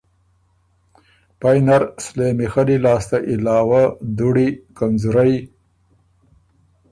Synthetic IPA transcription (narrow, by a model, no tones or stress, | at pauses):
pajnaɾslemixalilɑːst̪aʔɪlɑːwad̪uɽikanzuɾaj